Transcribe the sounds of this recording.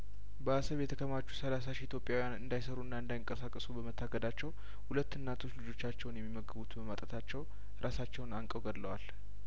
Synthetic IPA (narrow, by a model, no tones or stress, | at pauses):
bəasəβjɛt̪ʰəkʰəmat͡ʃːu̥səlasaʃiit̪jo̞pʼjawijanɨnd̪ajsəɾuɨnːaɨnd̪ajɪŋkʼəsakʼəsubəmət̪ʰːaɡəd̪at͡ʃːɛw | hulət̪ːɨnːat̪ʰo̞t͡ʃlɨd͡ʒo̞t͡ʃːat͡ʃːɛwnjɛmːiməɡɨbut̪bəmat̪ʼət̪ʰat͡ʃːɛw | ɾʔasat͡ʃːɛwnaŋkʼəwɡəd̪lːəwal